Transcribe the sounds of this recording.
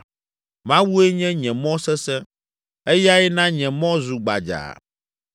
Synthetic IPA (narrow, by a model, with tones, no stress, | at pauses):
mã˦wu˦e˦ɲɛ̃˦ɲɛ̃˨mɔ̃˦sɛ˦sɛ˦ | e˦ja˦ɛ˦nã˦ɲɛ̃˨mɔ̃˦zu˨ɡ͡ba̰˨d͡ʒa̰˨